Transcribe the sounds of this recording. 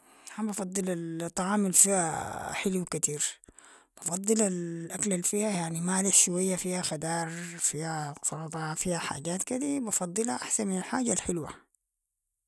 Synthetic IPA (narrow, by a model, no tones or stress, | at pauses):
habɑfɑd̪ˤːɨlalt̪ˤːɑʕɑːmalfiaħɪluwkat̪iːɾb̥ɑfɑd̪ˤːɨlalʔaklalfiːhajaʕnimaːliħʃuwajːafiːhaxad̪ɑːɾˤfiːhatˤɑɾɑd̪ˤɑfiːhaħa̰ːɟaːt̪kid̪ibɑfɑd̪ˤːɨlhaʔaħsanmɪnalħaːɟalħɪlwa̰